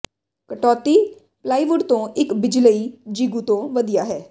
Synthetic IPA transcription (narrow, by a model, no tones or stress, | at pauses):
kəʈɔːt̪iː | plaːiːʋʊɖt̪õːʔɪkbɪd͡ʒləiːd͡ʒiːɡuːt̪õːʋəd̪ijaːɦɛː